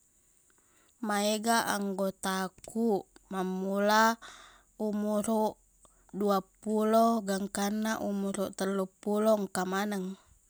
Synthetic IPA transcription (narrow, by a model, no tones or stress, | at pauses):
maeɡaʔaŋɡot̪akuʔmamːula | umuɾuʔ | duapulɔɡaŋkanːaʔumuɾuʔt̪əlːupulɔŋkamanaŋ